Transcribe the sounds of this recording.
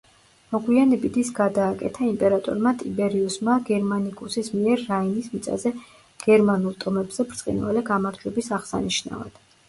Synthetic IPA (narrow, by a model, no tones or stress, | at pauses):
mɔɡwianɛbid̪isɡ̥ad̪aːkʼɛ̰t̪ʰaimpʼɛɾat̪ʼɔ̰ɾmat̪ʼibɛɾiusmaɡɛɾmanikʼusismiɛɾːainismit̪sʼa̰zɛ | ɡ̥ɛɾmanulˠt̪ʼɔmɛbzɛb̥ɾt̪sʼqʼḭnva̰lɛɡamaɾd͡ʒwɛbisaʁsa̰niʃna̰va̰d̪̥